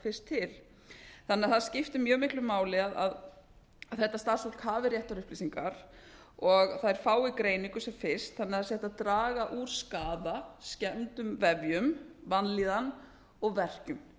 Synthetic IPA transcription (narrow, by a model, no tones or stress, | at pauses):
fɪr̥st̪ʰːɪl̥ | θanːɛaðθaðscɪft̪ɪmjœːɣmɪhklʏmaːwlɪaða̰ð | aðθɛht̪ːast̪aɾsat̪khaːvɪɾjɛht̪aɾʏhplisiŋkaɾ̥ | ɔɣθaðɛɾ̥faːwɪkɾeːjniŋkʏsɛmfɪr̥st̪θanːɛaasjɛht̪aðt̪ɾaːɣaʔuɾ̥skaːðascɛnt̪ʏmvɛvjʏmvanliːðan | ɔɣvɛr̥cʏm